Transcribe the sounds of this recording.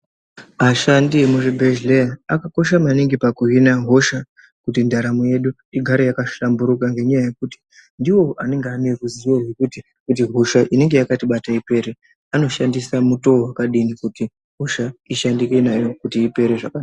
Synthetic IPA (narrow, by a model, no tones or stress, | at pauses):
aʃandimuʐibʱeʒleaakako̞ʃamaniŋɡipakuɦinaɦo̞ʃa | kutindʱaɾamuje̞ɗu | iɡʱaɾejakaʃambuɾukaŋɡe̞ɲajaje̞kuti̥ | ndiwo̞ane̞ŋɡeaniruziwo̞ɦwekuti | kut̬iɦo̞ʃaʔine̞ŋɡe̞jakatiɓataipe̞ɾe | ano̞ʃandisamuto̞wakaɗinikuti | ɦo̞ʃaiʃandikenajo̞kutiːpe̞ɾeʐakaaa